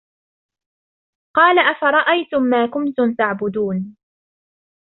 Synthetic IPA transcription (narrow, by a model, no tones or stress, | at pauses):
qɑːlaʔafaɾˤɑʔajt̪ʊmːaːkʊmt̪ʊmt̪aʕbʊd̪uːn